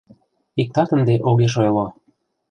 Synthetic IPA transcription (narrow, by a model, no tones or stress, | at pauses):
ik̚t̪ɑt̪ə̆nd̪eʔoɣeʃ̬ojlˠo